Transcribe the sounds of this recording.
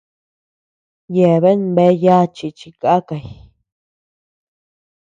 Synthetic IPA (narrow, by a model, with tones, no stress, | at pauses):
je˨βe˦nbe˧˦ja˦t͡ʃi˧˨t͡ʃi˧ka˦ka˧˨j